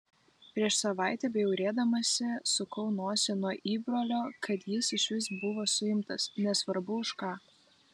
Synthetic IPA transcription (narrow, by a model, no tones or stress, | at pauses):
pʲɾʲiɛʃsɐʋɑˑɪt̪ʲɛbʲɛjɛʊɾʲeːd̪ɐmɐsʲɪsʊkɒʊnoːsʲɪnuɔʔiːbɾoːlʲoːkɐt̪jɪsɪʃʲʋʲɪsbʊʋoːsʊɪmt̪ɐsnʲɛsʋɐɾbʊʊʃkɑː